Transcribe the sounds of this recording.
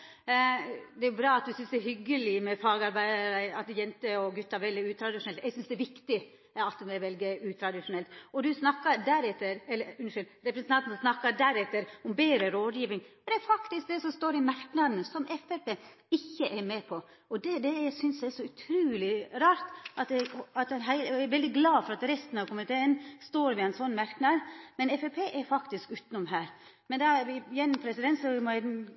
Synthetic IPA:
d̪ɛjʊbɾɑːɑt̪̚d̪ʉsʏnsd̪ɛɾhʏɡːəlɪmɛfɑːɡɑɾbæɪd̪ɾəɑt̪jɛnt̪əɔɡʉt̪ːɑʋɛld̪ɪʉːt̪ʰɾɑd̪ɪʃʂʊnɛlt̪ɛɪɡsʏnsd̪ɛʋɪkt̪ɪ | ɑt̪ːʉmæʋɛlɡəʉːt̪ʰɾɑd̪ɪʂʊnɛlt̪ɔd̪ʉsnɑkːɑd̪æɾɛt̪ːəɾɛlːəʉnʂɪl | ɾɛpɾəsənʰɑnt̪n̩snɑkːɑd̪æɾɛt̪ːəɾʊmbeːɾəɾoːd̪jiːʋɪŋɔd̪ɛæɾfɑkt̪ɪsk̚d̪ɛsɔmst̪oːɾɪmæɾknɑd̪nəsɔmʔɛfɛpeː | ɪçːəʔæɾmeːpʰɔ | ɔd̪ɛd̪ɛæsʏnsjæɛɾsɔʉt̪ʰɾʉːlɪɾɑːɾt̪ʔɑt̪d̪ɛɑt̪ɛnɦæɪlæʋɛld̪ɪɡlɑːfɔɾɑt̪ɾɛst̪ənɑʋkʰʊmənt̪ʰeːənst̪oːɾʋɪæɪnsɔnːmæɾknɑd̪mɛnɛfɛpʰeːʔæɾfɑkt̪ɪskʉːt̪nʊmɦæːɾ | mɛnd̪ɑʋɪjɛnːmpʰɾɛsɪd̪ɛnt̪sɔmɔæd̪

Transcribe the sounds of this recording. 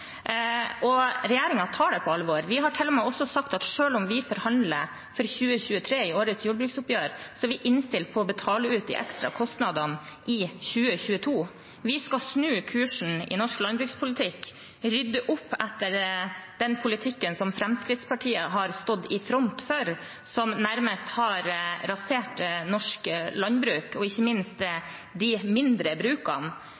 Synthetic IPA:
ʔɔɾɛjæːɾɪŋɑt̪ʰɑːɖɛpʰɔɑlʋoːɾʋɪɦɑʈʰɪlːɔmɛɪɔsːɔsɑkt̪ɑt̪ʂøːlʊmʋɪfɔːɾhɑnd̪lə̰ | fɔɾçʉːəçʉːət̪ʰɾeːɪoːɾət̪sjuːɖbɾʉːksʊpjøːɾsɔʋɪʔɪnst̪ɪlt̪̚pʰɔːbət̪ʰɑːləʉːt̪ɪ̰ʔɛ̰kst̪ɾɑ̰kʰɔst̪nɑd̪ɑnʔɪçʉːəçʉːət̪ʰuː | ʋɪskɑsnʉːkʰʉːʂɳ̩ɪ̰nɔʂklɑnbɾʉːkspʰʊlɪt̪ʰɪkː | ɾʏd̪ːəʔʊpːɛt̪ːəɾd̪̥ɛnpʰʊlɪt̪ʰɪkːənsɔmfɾɛmskɾɪt̪spɑʈʰiːəɦɑɾst̪ɔd̪ːɪfɾɔnt̪føɾ | sɔmnæɾməst̪hɑɾɾɑseːʈnɔʂkəlɑnbɾʉːkɔɪçːəmɪnst̪d̪ɪmɪnd̪ɾəbɾʉːkɑ̰n

